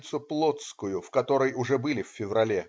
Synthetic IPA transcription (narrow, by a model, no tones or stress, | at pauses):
t̪sʊplˠot̪skʊjʊfkɐt̪o̞ɾəjʊʐɛbɨlʲɪfʲfʲɪvrɐlʲe